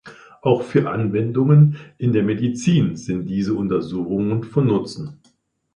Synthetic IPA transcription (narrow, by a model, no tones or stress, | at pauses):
ʔaʊxfyːɐʔanvɛndʊŋənʔɪndeːɐmedit͡siːnz̥ɪnt̚d̥iːzəʔʊntɐzuːxʊŋənfɔnːʊt͡sn̩